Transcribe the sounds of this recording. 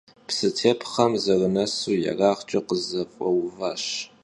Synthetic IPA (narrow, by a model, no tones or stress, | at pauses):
psɨtʰeːpʰχɐmzɐrɨnɐsuːjɐ̰raːχt͡ʃʼɐqəzɐfʼɐwvaːɕ